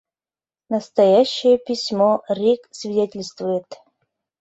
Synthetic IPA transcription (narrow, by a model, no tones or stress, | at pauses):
nəst̪ɐjaɕːɪjəpʲɪsʲmorʲiksvʲɪdʲetʲɪlʲst̪vʊjət̪